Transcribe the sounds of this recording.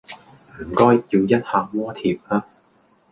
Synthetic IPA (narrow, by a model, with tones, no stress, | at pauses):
m̩˨˩kɔː˥jjiː˧wjɐ˥t̚haː˨˧k̚mɔː˥t̪ʰiː˨˧p̚aː˥